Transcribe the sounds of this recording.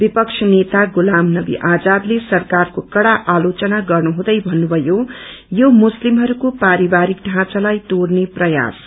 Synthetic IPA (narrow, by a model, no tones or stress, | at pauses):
bipʌkt͡ʃʰʌnet̪aɡulamnʌbḭʔad͡zablesʌrkarkokʌɽaʔalot͡sʌnaɡʌrnuɦũd̪ʌjbʱʌnːubʱʌjo | jomuslimɦʌɾukopaɾibaɾik̚ɖʱãt͡salajt̪orneprʌja̰s